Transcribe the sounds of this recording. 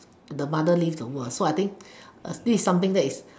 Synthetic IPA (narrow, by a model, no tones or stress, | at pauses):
dəmadəlivdəwəsoajt̪ɪ̃ŋk̚d̪isisːãmt̪ɪ̃ŋdɛtis